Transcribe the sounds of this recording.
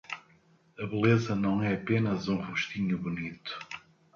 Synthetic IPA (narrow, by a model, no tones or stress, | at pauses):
ɐβɨlˠezɐnɐ̃w̃ɛɐpenɐzũʁuʃt̪iɲuβunit̪u̥